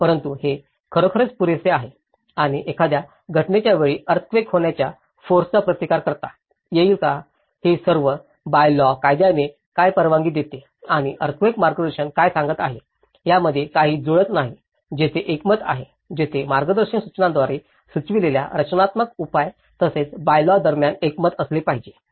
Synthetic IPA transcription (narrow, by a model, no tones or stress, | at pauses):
pəɾənt̪uhe | kʰəɾəkʰəɾət͡spuɾeseaɦe | aɽ̃iʔekʰad̪ja | ɡʱəʈnet͡ɕjaʋeɭiːʔəɾt̪̚ʰʋekɦoɳjat͡ɕja | foɾst͡sapɾət̪ikaɾkəɾt̪a | jeiːlka | hesəɾʋə | bajlɔkajd̪jane | kajpəɾʋãŋɡiːd̪et̪e | aɽ̃iʔəɾt̪̚ʰʋekmaɾɡəd̪əɾɕənkajsãŋɡət̪aɦe | ɦjaməd̪ʱːjekaɦiːd͡zoɭət̪naɦi | d͡ʑet̪ʰeʔekmət̪a̰ɦe | d͡ʑet̪ʰemaɾɡəd̪əɾɕənsut͡snãnd̪ʋaɾe | sut͡sʋilelja̰ɾət͡ɕnat̪məkupaj | t̪əset͡sbajlɔd̪əɾmjanekmət̪əslepaɦid͡ʑe